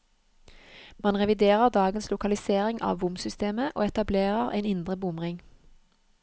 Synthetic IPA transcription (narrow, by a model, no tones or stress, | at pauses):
mɑnʁɛʋɪd̪eːʁəʁd̪ɑːɡənslʊkɑlɪseːʁɪŋʔɑ̰ːʋʋʊmsʏst̪eːməʔo̰ːɛt̪ɑbleːʁəʁḛɪnɪnd̪ʁəbʊmʁɪŋ